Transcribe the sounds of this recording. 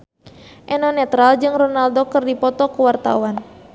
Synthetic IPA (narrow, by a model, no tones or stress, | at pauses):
ʔɛnɔnɛt̪ɾald͡ʒɨŋrɔnaldokɨrdipɔt̪ɔkuwart̪a̰wan